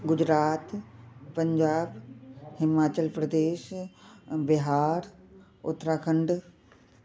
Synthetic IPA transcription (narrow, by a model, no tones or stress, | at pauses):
ɡʊd͡ʑɾaːt̪pɐ̃ɲd͡ʑaːbhɪmaːt͡ɕəlpɾɐd̪eːʃ | bɪɦaːɾ | ʊ̰t̪ɾaːkʰə̃ɳɖ